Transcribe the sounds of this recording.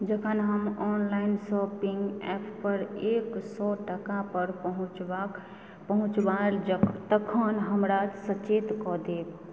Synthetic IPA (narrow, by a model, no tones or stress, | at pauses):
d͡ʒəkʰənɦəmɔnlaɪnsɔpiŋɡɛ̰pʰpəɾeksɔʈəkapəɾpəɦũt͡ʃba | pəɦũt͡ʃbalt̪əkʰənɦəmɾasət͡ʃet̪kɔd̪eb